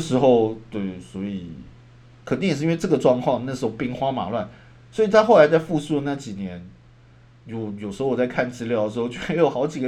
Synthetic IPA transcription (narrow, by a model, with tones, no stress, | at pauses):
ʂɻ̩˧˥xo˥˧ʊt̪we˥˩ɪswɔ˧˥i˨˩ | kʰə˨˩t̪i˥˩ŋjʂ̩˥˧˥nwʈ͡ʂɤ˥˩ɡə˩ʈ͡ʂwɑ˥˧ŋkʰwɑ˥˧ŋna˥˩əʂɻ̩˧˥o˥˧ʊpi˥ŋxwa˥ma̰˨˩lwa˥˩n | swɔ˧˥i˨˩t̪ʰa˥xo˥˩ʊla˧˥ɪt͡sa˥˧ɪfu˥˧su˥˧lə˩na˥˩t͡ɕi˨˩njɛ˧˦n | jɔ˨˩jo˨˩ʂɻ̩˧˥o˥˧ʊwɔ˨˩t͡sa˥˧ɪkʰa˥˩nʈ͡ʂɹ̩˥ljʊd̪ə˩ʂ̩˧˥o˥˧ʊt͡ɕʰe˥jo˨˩xɑ˧˥ʊt͡ɕi˨˩ɡə˦